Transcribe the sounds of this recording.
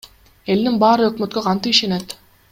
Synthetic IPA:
e̞lninbɑːɾɯøkmø̞t̪køqʰɑnt̪ɯpiʃe̞ne̞t̪

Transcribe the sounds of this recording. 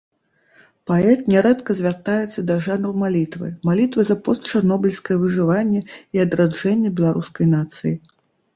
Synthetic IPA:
paɛt̪nʲɛɾɛt̪kɐzʲvʲart̪ajɛt̪sːɐd̪ɐʐanrumalʲit̪vɨ̰malʲit̪vɨzɐpɔst̪t͡ʂarnɔbʲɨlʲskɐjɛvɨʐɨvanʲːɛiɐd̪ɾad͡ʐɛnʲːɛbʲɛlˠaɾuskɐjnat̪sɨji

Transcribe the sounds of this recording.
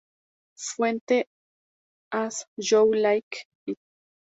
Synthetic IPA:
fwent̪e | asjowlajkpit̪̚

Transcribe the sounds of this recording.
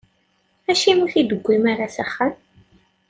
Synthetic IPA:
æʃimuθid̪əɡʷːimaɾasaχːan

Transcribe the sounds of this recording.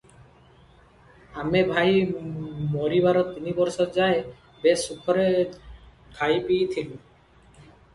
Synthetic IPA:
amebʱaj | moɾiβaɾɔt̪inibɔɾsɔd͡ʒae | besukʰɔɾe | kʰajpiːt̪ʰilu

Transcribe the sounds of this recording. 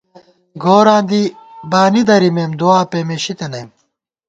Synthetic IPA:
ɡoːɾãːnd̪ibaːnid̪ɐɾimeːmd̪uaːpemeɕit̪enɐjm

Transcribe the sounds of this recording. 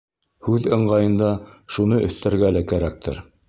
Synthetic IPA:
hʉðɤ̆ɴɢɑjɤ̆nd̪ɑʃunɤʔɵ̆θt̪æɾɡælækæɾæk̚t̪ʰɘ̰ɾ

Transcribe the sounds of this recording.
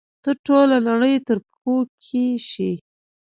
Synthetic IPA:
t̪əʈolanaɽəjt̪əɾpxokʰiʃi

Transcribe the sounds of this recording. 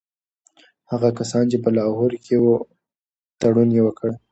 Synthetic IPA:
haɣakasɑnt͡ʃep̬əlɑɦoɾkʰewo | t̪aɽunjewəkəɽ

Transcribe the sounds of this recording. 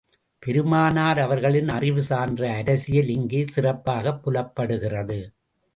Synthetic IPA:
pɛɾɯmaːnaːɾɐʋɐɾɣɐɭɪnɐrɪʋɯsaːndrɐːɾɐsɪjɐlɪŋɡeːsɪrɐpːaːɣɐpːʊlɐpːɐɽɯɣɪrɐðɯ

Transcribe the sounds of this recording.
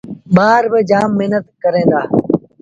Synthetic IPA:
ɓaːɾbəd͡ʒaːmːɪɦnət̪kəɾẽːnd̪aː

